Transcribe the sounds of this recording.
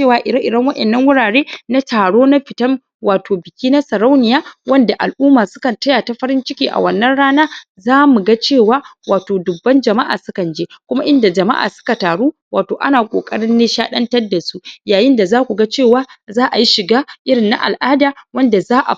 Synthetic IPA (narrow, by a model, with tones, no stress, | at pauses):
e˦˨waː˨ʔɪ˨ɾɐ˦ʔɪ˨dɐ˦ŋwɐ˦ʔɛ̰˨nːɐ˦ŋwʊ˦ɽaː˨ɽeː˦na˦taː˨ɽoː˦na˦ɸɪ˨tɐ˦m | waː˨tʰoː˨bɪ˨kʲiː˦na˦sɐ˨ɾa˦wnɪ˨jaː˦wɐ˦nda˨ʔa˨lʔuː˦maː˨sʊ̥˦kɐ˨ntɐ˦ja˨ta˦ɸɐ˦ɾɪ˦nt͡ʃɪ˦kʲiː˨ʔa̰˨wɐ˨nːɐ˦nɽaː˦naː˦ | zaː˦mu˨ɡa˦t͡ʃeː˦˨waː˦waː˨toː˨dʊ˨bːɐ˦nd͡ʒɐ˨ma˦ʔa̰ː˨sʊ˦kɐ˨nd͡ʒeː˦kʷʊ˦ma˦ʔɪ˦nda˨d͡ʒɐ˨ma̰˦ʔa̰ː˨sʊ̥˦ka˨taː˨ɽuː˦waː˨toː˨ʔa̰˦naː˨kʷʼo̰ː˨kʼɐ˦ɽɪ˦nːeː˦ʃaː˦ɗɐ˦ntɐ˦rda˨su˦jaː˨jɪ˦nda˨zaː˦kʷu˨ɡa˦t͡ʃeː˦˨waː˦zaː˦ʔa˨ji˦ʃɪ˨ɡaː˦ʔɪ˦ɽɪ˨nːa̰˦ʔa̰˨lʔaː˦daː˨wɐ˦nda˨zaː˦ʔa̰˨